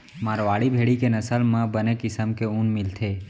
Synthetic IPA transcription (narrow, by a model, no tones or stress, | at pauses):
maːɾʋaːɽibʱeːɽikenəsəlmãbənekɪsəmkeũːnmɪlt̪ʰe